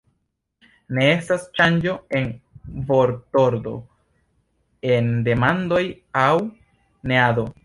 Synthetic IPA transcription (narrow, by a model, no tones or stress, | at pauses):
ne̞e̞stast͡ʃand͡ʒo̞e̞nvo̞ɾto̞ɾd̪o̞̰ | e̞nde̞mand̪o̞j | aw | ne̞ado̞